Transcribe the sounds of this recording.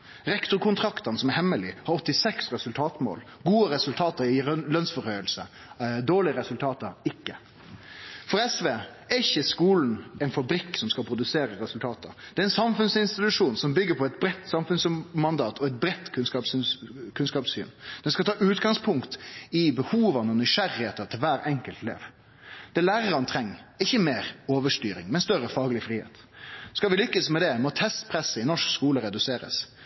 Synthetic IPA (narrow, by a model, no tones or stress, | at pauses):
ɾɛkt̪ʊɾkʰʊnt̪ʰɾɑkt̪əɾnsɔmɛhɛmːəlɪhɑɾɔt̪ːɪsɛksɾɛsʉlt̪ʰɑːt̪mo̰ːl | ɡuːəɾɛsʉlt̪ʰɑːt̪əɾɪlœnsfɔɾhœʏəlsə | d̪oːlɪəɾɛsʉlt̪ʰɑːt̪əɾɪkːə | fɔɾɛsʋeː | æɾɪçːəskuːln̩ɛɪnfɑbɾɪkːsɔmskɑlpʰɾʊd̪ʉseːɾəɾɛsʉlt̪ʰɑːt̪ə̰ɾd̪ɛæɾɛnsɑmfʉnsɪnst̪ɪt̪ʉʂuːnsɔmbʏɡːəpʰɔɛt̪bɾɛt̪ːsɑmfʉnsmɑnd̪ɑːt̪ʰɔɛɪt̪̚bɾɛt̪ːkʰʉnskɑpskʰʉnskɑːpsy̰ːnd̪̥ɛnskɑt̪ʰɑːʔʉːt̪ɡɑŋspʰʊŋkt̪ɪbəhuːʋɑnɔnʏʂæɾɪheːt̪ət̪ʰɪlʋæːɾɛŋkəlt̪lḛːʋ | d̪̥ɛlæːɾəɾɑnt̪ʰɾɛŋːɪçːəmeːɾoːʋəʂt̪yːɾɪ̰ŋmɛnst̪œɾəfɑːɡəlɪfɾiːhḛːt̪ | skɑlʋɪlʏkːəsmɛd̪ɛmɔt̪ʰɛst̪pʰɾɛsːəɪnɔʂkskuːləɾɛd̪ʉseːɾə̰s